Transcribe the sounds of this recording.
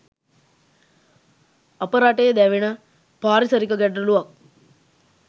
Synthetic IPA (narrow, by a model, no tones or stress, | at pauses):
apəɾaʈejd̪ɛʋenə | paːɾisəɾikəɡɛɖrəluʋak̚